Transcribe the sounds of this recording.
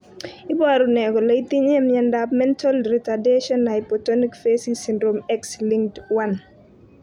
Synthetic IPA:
ibaɾunɛkɔlɐit̪iɲɛmɲɛndapmɛntʰalɾitadeʃɔnːajpɔtonikfesisindɾomɛksliŋtwan

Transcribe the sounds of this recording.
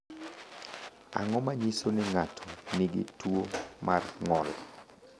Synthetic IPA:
a̰ŋɔmaɲisonɪŋatʰɔ̥nɪɡɪ̰twomarŋɔl

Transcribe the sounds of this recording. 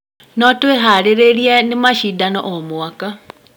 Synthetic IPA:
nɔtweɦaɾeɾeɾianemaʃidanɔ̰ʔɔmwaka

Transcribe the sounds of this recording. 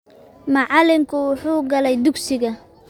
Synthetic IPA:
mɑʕɑlɪmkʰʊwʊħuːɡɐlɛjd̪ʊɡsɪɣɐ

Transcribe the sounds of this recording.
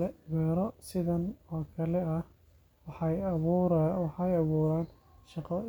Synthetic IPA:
ɛwɛːɾɔsɪðɐnɔːkʰɐlɛɐ | wɑħɑjɐβuɾwɑħɑjɑβuːɾaːn | ʃɑqɐ

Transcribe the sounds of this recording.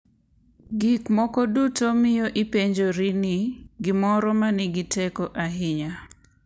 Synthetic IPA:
ɡikmɔkɔdutomɪjoʔipeɲd͡ʒoɾinɪɡɪmɔɾɔmanɪɡɪtɛkɔʔaɦɪɲa

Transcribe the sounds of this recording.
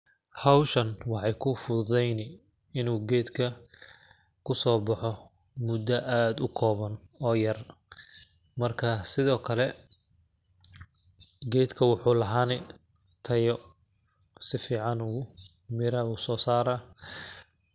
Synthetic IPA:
hɐwʃɐnwɑħɑjkʰʊfʊðɛjnɪ | ɪnuːɡɛːd̪kʰɐ | kʰʊsɔːbɑħɔ | mʊd̪ɐʔaːd̪ʊkʰɔːβɐnɔːjɐr | mɐrkʰasɪðɔːkʰɐlɛ | ɡɛːd̪kʰɐwɑħuːlɐɦaːnɛ | t̪ʰɐjɔ | sɪfiːʕɑnuː | mɪɾɐuːsɔːsaːɾa

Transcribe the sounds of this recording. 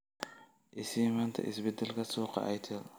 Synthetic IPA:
ʔɪsɪmaːnt̪ʰɐ̰ʔɪsbɛd̪ɛlkʰɐsuːqɑ̰ʔɛjt̪ʰɐɾ

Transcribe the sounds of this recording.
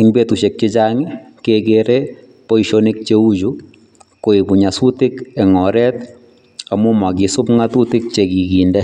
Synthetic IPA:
ɪŋbet̪uʃek̚t͡ʃɪd͡ʒaŋɪ | keɡeɾe | poiʃɔnik̚t͡ʃeud͡ʒu | koibuɲasut̪ɪkɛŋɔɾɛt̪ | amʊmaɡisʊpŋat̪ut̪ɪk̚t͡ʃeɡiɡindɛ

